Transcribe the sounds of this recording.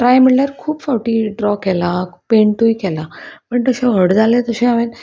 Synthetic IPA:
ʈɾajmiɭləɾkʰuːbfawʈiːɖɾɔkɛlapeɳʈujkɛlapəɳt̪əɕeɦəɽd͡zʱalẽt̪əɕẽaʋen

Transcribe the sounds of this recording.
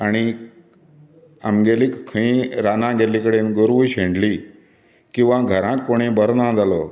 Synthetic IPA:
aɽ̃i | ə̰mɡelikkʰːəĩɾanãɡelikəɽenɡoɾʋujɕẽɳɖliː | kĩw̃ʋãɡʱəɾãkːoɽ̃ĩbəɾnãd͡zalɔ

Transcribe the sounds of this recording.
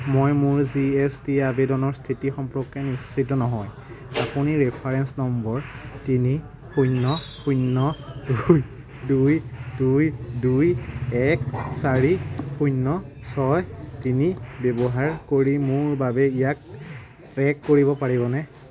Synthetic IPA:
mojmʊɹziɛstiabedɔnɔɹstʰitixɔmpɹɔkːɛnistʰːitɔnɔɦɔj | apuniɹɛpʰaɹɛnsnɔmbɔɹtini | xujnːɔxʰujnːɔduj | dujdujdujɛksaɹixʰujnːɔsɔjtinibɛbɔɦaɹkoɹimʊɹbabɛijak̚ | tɹɛkːoɹibɔpaɹibɔnɛ

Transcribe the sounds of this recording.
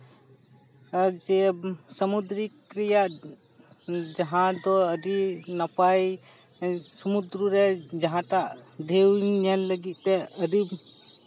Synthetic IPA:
d͡ʒɛsəmud̪ɾikɾijaʔ | d͡ʒaɦãd̪ɔəɖinapaj | səmud̪ɾuɾɛd͡ʒaɦãʈaʔɖʱewɲɛnləɡit̪̚t̪ɛəɾib

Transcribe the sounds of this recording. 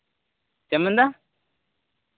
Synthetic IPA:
t͡ɕemə̃nd̪a

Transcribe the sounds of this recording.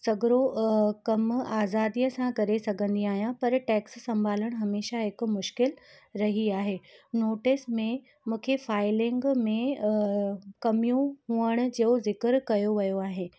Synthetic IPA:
sɐɡɪɾokɐmaːzaːd̪ijəsãkɐɾesɐɡʱə̃nd̪iaːɦijãpɐɾʈɛːksːɐ̃mbʱaːləɽ̃ɦɐmeːʃaɦɪk̆mʊʃkɪl | ɾɐɦiaːɦeːnoːʈɪsmẽ | mũːkʰefaːɪlɪ̃ŋɡmẽ | kɐmijũɦũːəɽ̃ʊ̆d͡ʑɐozɪkɪɾkɐjoʋɐjoaːɦen

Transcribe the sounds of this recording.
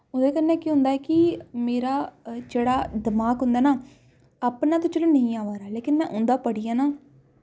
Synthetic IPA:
ʊd̪eːkənːɛ̃ːkiːɦʊ̃nd̪aːɛːkɪmeːɾaːd͡ʒeːɽaːd̪əmaːkɦʊ̃nd̪aːnaː | aːpnãːt̪õːt͡ʃəlõːnəɦĩːaːʋaːɾaːleːkɪnmɛ̃ːʔʊnd̪aːpəɽiːaːnaː

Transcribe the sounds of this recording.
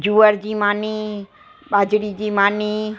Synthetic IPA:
d͡ʒuːəɾd͡ʒiːmaːni | ɓaːd͡ʒɽid͡ʒiːmaːniː

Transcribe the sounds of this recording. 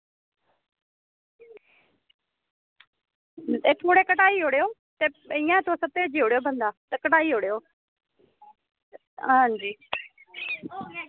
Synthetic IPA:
eːt̪ʰoːɽeːkəʈaːiːɦoːɽejoː | t̪eːɪjãːt̪osət̪eːd͡ʒiɦoːɽejoːbʱə̃nd̪aːt̪əkəʈaːiːɦoːɽejoː | ɦãd͡ʒiː

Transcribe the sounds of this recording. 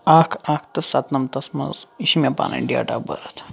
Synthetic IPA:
akʰakʰt̪ɐsat̪nɐmt̪ɐsmɐ̰ziʃimʲapa̰nʔɐ̰ɖia̰ʈa̰bə̰ɾət̪ʰ

